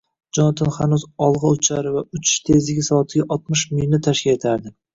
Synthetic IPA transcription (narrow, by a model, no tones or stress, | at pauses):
d͡ʒɒnɒt̪ʰɪnhanuzɒlˠʁɑʊt͡ʃʰaɾɪvaʊt͡ʃʰɪ̥ʃt̪ʰe̞zɪɡʲɪsɒt̪ʰɪɡʲaʔɒt̪mɪʃmɪjnɪt̪ʰaʃkʲɪle̞t̪ʰaɾd̪ɪ